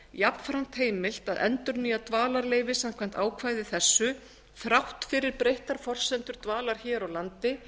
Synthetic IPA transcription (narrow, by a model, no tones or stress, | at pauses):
japnfɾan̥t̪heːjmɪl̥t̪aðʔɛ̰nt̪ʏɾniːat̪vaːlaɾleːjvɪsam̥kʰvam̥t̪aːwkʰvaːjðɪθɛsːʏ | θɾawht̪fɪɾɪɾpɾejht̪aɾ̥fɔr̥sɛnt̪ʏɾt̪vaːlaɾ̥çɛːɾawlant̪ɪ